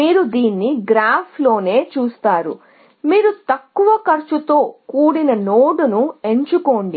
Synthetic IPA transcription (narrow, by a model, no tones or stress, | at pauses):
miːɾud̪iːnːiɡɾaːpʰlo̞ːne̞ːt͡ʃuːst̪aːɾṵ | miːɾut̪ɐkːuʋɐkɐɾt͡ʃut̪o̞ːkuːɽinɐnoːɖunue̞ɲt͡ʃuko̞ːɳɖi